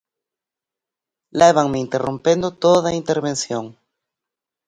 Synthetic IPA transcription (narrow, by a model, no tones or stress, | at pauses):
leβaŋmeint̪erʔompend̪ot̪oðaint̪eɾβensjoŋ